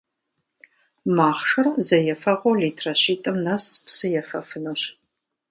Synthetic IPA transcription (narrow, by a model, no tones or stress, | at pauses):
maːχʂɨrzɐjɛfɐʁʷowliːtʰrɐɕiːtʼɨmnɐspsɨjɛfɐfɨnuɕ